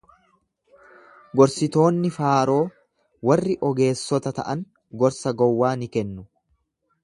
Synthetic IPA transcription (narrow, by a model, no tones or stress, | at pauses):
ɡɔɾsɪt̪o̞ːnːɪfaːɾo̞ː | wɐrːɪʔɔɡe̞ːsːɔt̪ɐt̪ɐ̰ʔɐŋ | ɡɔɾsɐɡɔwːaːnɪkɛnːʊ